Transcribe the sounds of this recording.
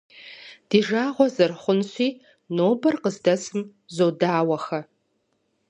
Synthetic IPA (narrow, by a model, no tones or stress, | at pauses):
d̥iːʒaːʁʷɔzɨrχʷʊnɕʷiː | noːbɐrqəzdɐsɨm | zoːdaːwɐxɐ